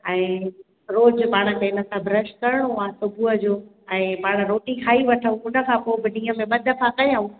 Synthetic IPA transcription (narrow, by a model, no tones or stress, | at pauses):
ɛ̃ː | ɾoːd͡ʑpaːɽ̃ə̆k̪eːnə̆sãbʱɾəʃ̚kɐɾɪɽ̃oãːsʊbʱuːəd͡ʑoː | ɛ̃ːpaːɽ̃ɾoːʈikʰaːiʋɐʈʰəũʊnə̆kʰãːpoːbɪɗĩːə̃mẽɓɐd̪ʱəfãkɐjãũ